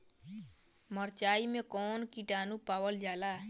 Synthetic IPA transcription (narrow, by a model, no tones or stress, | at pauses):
məɾt͡ʃaːimẽkɔːnkiʈaːnupaːwəld͡ʒaːlaː